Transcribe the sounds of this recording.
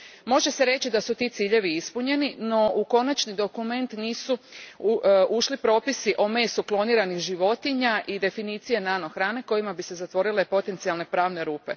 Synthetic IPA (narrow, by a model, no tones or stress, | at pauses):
mo̞ʒese̞ɾe̞t͡ɕid̪asut̪iːt̪siːʎe̞ʋiispuɲe̞nino̞uko̞nat͡ʃnid̪o̞kume̞nt̪niːsu | uʃlipɾo̞ːpisiʔo̞me̞ːst̪uklˠo̞niːɾanixʒiʋo̞t̪iɲaʔid̪e̞finiːt̪sije̞naːno̞xɾaːne̞ko̞jimabise̞zat̪ʋo̞ɾilepo̞t̪e̞nt̪sialˠne̞pɾaːʋne̞ɾuːpe̞